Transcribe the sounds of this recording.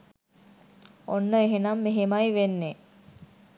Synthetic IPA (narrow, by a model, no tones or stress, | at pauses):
onːəeɦenɐmːeɦemɐjʋenːe